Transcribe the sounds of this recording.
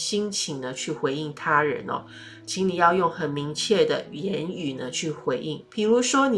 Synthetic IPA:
ɕi˥ŋt͡ɕʰi˧˥ŋd̪ə˧t͡ɕʰy˥˩xwe˧˥ɪi˥˩ŋt̪ʰa˥ɻə̰˧˥nɔ̰˨˧ | t͡ɕʰi˧˥ŋli˨˩jɑ˥˧ʊjʊ˥˩ŋxə˨˩nmi˧˥ŋt͡ɕʰjɛ˥˩d̪ə̰˩jɛ˧˥ny˨˩nə˦t͡ɕʰy˥˩xwe˧˥ɪʔi˥˩ŋpʰi˨˩ɻu˧˥ʂwɔ˥n˨

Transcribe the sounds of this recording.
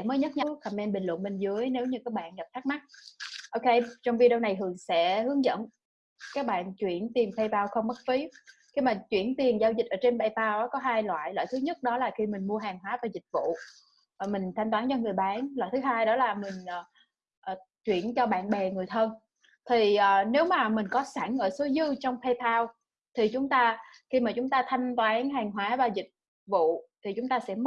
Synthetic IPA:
məː˨˦jɲə˦˥t̚ɲa˧˦wxa˨˩mʔɛ˧mɓï˨˩ŋ̟lwə̰˧˨nmï˨˩ŋ̟zɨ˨˦əjne˨˦wɲɨ˧kaː˦˥k̚ɓa̰ː˧˨nŋə˨˩p̚t̪ʰa˦˥k̚ma˦˥t̚ʔo˧wke˧t͡ɕɔ˧wŋ͡mvi˧ɗə˧wna˨˩jhɨ˨˩əŋsɛ̰˧˥hɨ˨˦əŋzə̰˧˥˨n | kaː˦˥k̚ɓa̰ː˧˨nt͡ɕwḭ˧˩˨ənt̪i˨˩ənfʰə˧jpaː˧wxə˧wŋ͡mmə˦˥t̚fi˨˦ | xi˧maː˨˩t͡ɕwḭ˧˩ənt̪i˨˩ənzaː˧wzi˨˩t̚ʔəː˧˩˦t͡ɕe˧nɓa˧˩jpaː˧wʔɔː˨˦kɔ˨˦ɦaː˧jlwa̰ː˧˨jlwa̰ː˧˨jt̪ʰɨ˨˦ɲə˦˥t̚ɗɔ˨˦laː˨˩xi˧mï˨˩ŋ̟mu˧əɦaː˨˩ŋɦwaː˨˦vaː˨˩zï˨˩k̟̚vṵ˧˨˩ | mï˨˩ŋ̟t̪ʰa˧jŋ̟t̪waː˨˦nt͡ɕɔ˧ŋɨ˨˩əjɓaː˨˦nla̰ː˧˨jt̪ɨ˨˦ɦaː˧jɗɔ˨˦laː˨˩mï˨˩ŋ̟ʔəː˨˩ | ʔːt͡ɕwḭ˧˩ənt͡ɕɔ˧ɓa̰ː˧˨nɓɛ˨˩ŋɨ˨˩əjt̪ʰə˧n | t̪ʰi˨˩ʔəː˨˩ne˨˦wmaː˨˩mï˨˩ŋ̟kɔ˨˦sa˧˩ŋʔəː˧˩so˨˦zɨ˧t͡ɕɔ˧wŋ͡mp̪ʰɛ˧t̪ʰaː˧w | t̪ʰi˨˩t͡ɕʊ˨˦ŋ͡mt̪aː˧ | xi˧maː˨˩t͡ɕʊ˨˦ŋ͡mt̪aː˧t̪ʰa˧jŋ̟t̪waː˨˦nɦaː˨˩ŋɦwaː˨˦vaː˨˩zï˨˩k̚ | vṵ˧˨t̪ʰi˨˩t͡ɕʊ˨˦ŋ͡mt̪aː˧sɛ̰˧˥m˦˥

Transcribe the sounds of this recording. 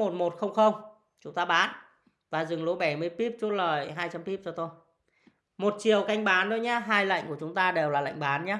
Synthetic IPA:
mo˨˩t̚mo˨˩t̚xə˧wŋ͡mxə˧wŋ͡m | t͡ɕʊ˨˦ŋ͡mt̪aː˧ɓaː˨˦n | vaː˨˩zɨ˨˩ŋlo˨˦ɓa˧˩jmɨ˧əjpi˦˥p̚t͡ɕu˦˥t̚ləː˨˩jɦaː˧jt͡ɕa˧mpi˦˥p̚t͡ɕɔ˧t̪o˧j | mo˨˩t̚t͡ɕi˨˩əwka˧jŋ̟ɓaː˨˦nɗo˨˦jɲaː˨˧ɦaː˧jlə̰˧˨ŋku˧˩ət͡ɕʊ˨˦ŋ͡mt̪aː˧ɗe˨˩wlaː˨˩la̰˧˨jŋ̟ɓaː˨˦nɲaː˨˦

